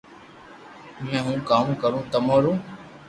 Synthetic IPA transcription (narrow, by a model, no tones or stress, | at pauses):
mɛ̃ːɦũːkaːmkəɾũːt̪əmoːɾũː